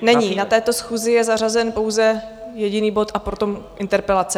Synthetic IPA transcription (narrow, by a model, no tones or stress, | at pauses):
nɛɲɪnat̪ɛːt̪o̞sxuːzɪjɛzar̝azɛnpo̞wzɛjɛɟɪniːbo̞t̪ʔapɾot̪o̞mʔɪnt̪ɛɾpɛlat͡sɛ